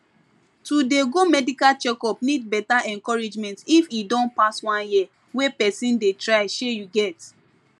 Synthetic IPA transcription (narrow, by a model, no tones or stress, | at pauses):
tudeɡomɛdikalt͡ʃɛkɔpnid̚bɛtaʔɛ̃nkɔɹid͡ʒmɛ̃ntifidɔ̃npaswãnjia | wepɛsĩndetɹaɪʃejuɡɛt